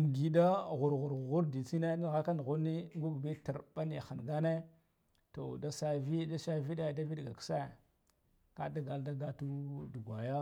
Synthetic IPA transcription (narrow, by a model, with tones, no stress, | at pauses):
m˨ɡi˨da˦ɣu˨ɾɣu˨ɾɣu˦ɾdi˨t͡si˦ne˦na˦˨ɣa˦ka˦n˨ɣu˦ni˦ŋɡu˦ɡbi˦ta˨ɾɓa˦n˨a˨xa˨nɡa˦ne˦ | to̰˨da˦sa˦vi˦da˦sa˦vi˦da˦˨da˦vi˦dɡa˨ksa˦˨ | ka̰˦da˦ɡa˨lda˦ɡa˦tu˦du˨ɡʷa˨ja˦